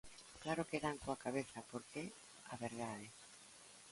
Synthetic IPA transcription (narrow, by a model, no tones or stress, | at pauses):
klaɾʊkeðaŋkoakaβeθɐpoɾke | aβeɾðaðe